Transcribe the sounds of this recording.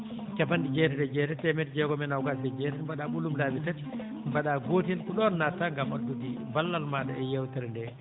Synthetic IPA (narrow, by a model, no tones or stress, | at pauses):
kɛfandid͡ʒɛtɛdɛd͡ʒɛːtɛtɛmɛtd͡ʒɛɡɔmɛnawkasɛd͡ʒɛtɛbaɗaɓulːumdaːbitati | baɗaɡoːtinkuɗɔnːatːaŋɡamadudi | balːalmaɗaɛjɛwtɛɾndɛ